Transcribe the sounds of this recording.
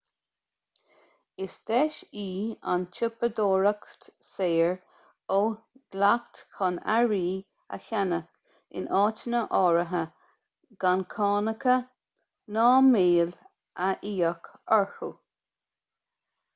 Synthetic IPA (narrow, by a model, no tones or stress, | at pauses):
ɪsd̪ɛʃiːa̰nt͡ʃʰɪpəd̪oːɹəkt̪seːɹ | o | d̥lakt̪kʰɔna̰ɹiː | ə̰çanək | ɪ̰nʔɑːt͡ʃənəʔɔːɹəɦə | ɡ̥ankʰɑːnəkʰə | nɑːmeːl | əʔiːəkɔɹhu